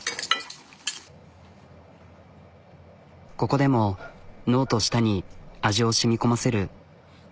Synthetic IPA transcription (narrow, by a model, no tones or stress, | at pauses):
ko̞ko̞d̪e̞mo̞no̞ːt̪o̞ɕi̥t̪aɲ̟iaʑio̞ɕimʲiko̞mase̞ɾɯ̟